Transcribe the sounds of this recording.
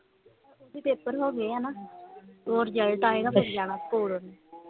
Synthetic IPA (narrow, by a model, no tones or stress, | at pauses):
oːd̪iːpeːpəɾɦoːɡeːaːnaː | oːɾd͡ʒəlʈ̪aːeːɡaːpeɾd͡ʒaːnaːkoːɽoːnaː